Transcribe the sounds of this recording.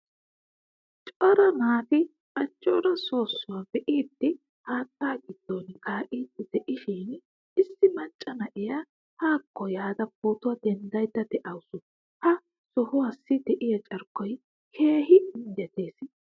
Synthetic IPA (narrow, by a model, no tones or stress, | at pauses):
t͡ʃʼɔɾɐnaːfɪ | ɐt͡ʃʼːɔːɾɐso̞ːsːʊwaːbɛʔiːd̪ːɪ | haːt̪ːaːɡɪd̪̥ːoːnkʰaːʔʼiːd̪ːɪd̪̥ɛʔɪʃɪn | ʔɪsːɪmɐt͡ʃʼːɐnɐʔɪja | haːkːɔjaːd̪ɐpːoːt̪ʊwad̪ɛnd̪ɐjd̪ːɐd̪ɛʔɐwʊsʊ | hɐ | sɔhʊwasːɪd̪ɛʔɪjɐt͡ʃʼɐɾkːɔj | kʰe̞ːhɪnd̪ɛt̪e̞ːs